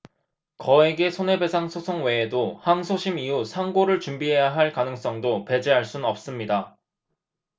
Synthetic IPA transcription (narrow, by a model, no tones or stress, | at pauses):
kʌe̞ɡe̞sʰone̞be̞sʰaŋsʰosʰoŋwe̞ːdohaŋsʰoɕʰimiusʰaŋɡoɾɯɭt͡ɕumbiɦe̞jaɦaɭkanɯŋs͈ʌŋdope̞d͡ʑeɦaɭs͈unnʌp̚s͈ɯmɲida